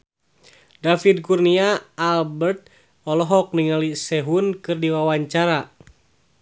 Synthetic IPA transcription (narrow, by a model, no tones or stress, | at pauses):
dafid̚kurniaːlbɛrt̪̚ | ɔlɔɦɔk̚niŋalisɛɦunkɨrdiwawaɲt͡ʃaɾa